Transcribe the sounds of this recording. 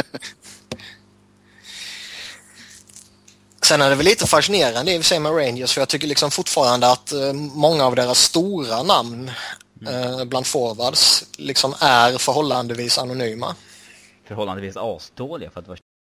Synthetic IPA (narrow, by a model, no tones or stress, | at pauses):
sɛnːæɖɛvɛliːt̪əfaʂɪneːɾand̪əɛɾvɪsɛjəmɛɾɛɪnd͡ʒəsfɔjɑt̪ʏkːəɭɪksɔmfʊʈfɑːɾand̪əat̪mɔŋːaːvd̪eːɾasːt̪uːɾanamn | bland̪fɔɾvad̪slɪksɔmæɾfœɾɦɔlːand̪əviːsanʊnyːma̰ | fœɾɦɔlːand̪əviːsɑːst̪oːlɪɡafœɾat̪d̪əva